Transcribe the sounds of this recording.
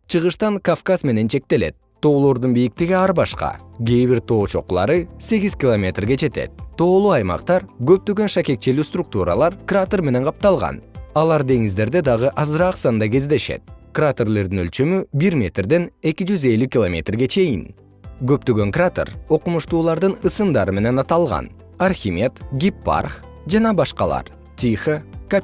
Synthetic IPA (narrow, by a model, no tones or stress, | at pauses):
t͡ʃʰɯʁɯʃt̪ɑŋkafkasme̞ne̞nt͡ʃʰe̞k̚t̪e̞le̞̰t̪̚t̪ːo̞ːlˠo̞ɾd̪unbijik̚t̪eɡiɑɾbɑʃqɑ̰ɡʲeːβiɾt̪ʰo̞ːt͡ʃʰo̞̰qulˠɑ̰ɾɯse̞ɡʲizkʲilˠomʲe̞t̪rɡe̞d͡ʒe̞t̪e̞̰t̪̚t̪ːo̞ːlˠuɑjmɑ̰qt̪ɑɾɡø̞p̚t̪ø̞ɡø̞nʃake̞k̚t͡ʃelyːst̪ruk̚t̪uɾɑ̰lˠɑɾkrat̪orme̞ne̞ɴqʰɑp̚t̪ɑlˠʁɑ̰nɑlˠɑɾd̪e̞ŋizd̪e̞ɾd̪e̞d̪ɑʁɯʔɑzɾɑːqsɑnd̪ɑɡe̞zd̪e̞ʃe̞̰t̪̚krat̪erle̞ɾd̪inølt͡ʃø̞mybiɾmʲe̞t̪rd̪e̞ne̞kʲid͡ʒyze̞lykʲilˠomʲe̞̰t̪rɡe̞t͡ʃʰe̞jḭn | ɡø̞p̚t̪ø̞ɡøŋkrat̪ḛro̞qumuʃt̪uːlˠɑɾd̪ɯnɯsɯnd̪ɑɾɯme̞ne̞nɑt̪ɑlˠʁɑ̰n | arxʲimʲe̞t̪ɡʲipːa̰rχ | d͡ʒɑnɑbɑʃqɑlˠɑ̰ɾ | t̪ʲixəka